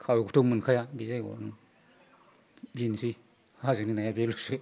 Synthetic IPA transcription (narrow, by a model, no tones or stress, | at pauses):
kʰawkʰu̥tʰumɯnkʰajabizajɡo̰nu | binsi | hazɯninajabelusɯ